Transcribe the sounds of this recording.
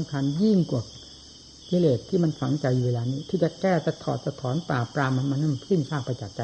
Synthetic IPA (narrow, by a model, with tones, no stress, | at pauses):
mkʰa˧nji˥˩ŋku˨˩k̚ | kiː˧leː˨˩t̪̚ʰːiː˥˩ma˧nfa˨˩˦ŋt͡ɕa˧juː˧weː˧laː˧niː˦˥˨t̪ʰɯː˨˧˩t͡ɕa˧kɛː˧˩t̪ɛ˧˩t̪ʰɔ̰ː˨˩t̪̚sa˧t̪ʰɔː˨˦npaː˨˩pɾaː˧mːa˧nmaː˧nɯ˧˥˨mkʰɯ˥˩nsʰaː˥˩k̚pːa˧t͡ɕa˨˩t̪̚t͡ɕa˧